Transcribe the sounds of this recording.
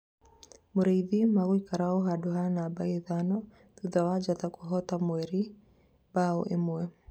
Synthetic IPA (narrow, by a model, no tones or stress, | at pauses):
moɾajðimaɣwikaɾaoɦadoɦanabaeðanɔ | ðuðawad͡ʒat̪akuɦɔtamwɛɾi | bao̰ʔḛmwɛ